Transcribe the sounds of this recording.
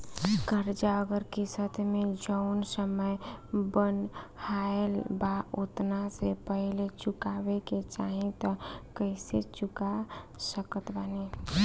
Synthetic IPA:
ɡʱəɾd͡ʒaəɡəɾkisət̪ʰmed͡ʒəʊnsəməjbənhaelbaot̪nasepəɦlet͡ʃukabeket͡ʃaɦĩt̪ɔkəɪset͡ʃukasəkət̪bane

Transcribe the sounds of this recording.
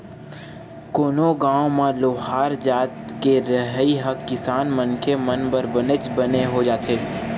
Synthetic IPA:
koːnoɡãːõmãloːɦaːɾd͡ʒaːt̪keɾəɦiɦɐkːɪsaːnmɐnkʰemənbəɾbɐnet͡ʃbɐneɦod͡ʒaːt̪ʰeː

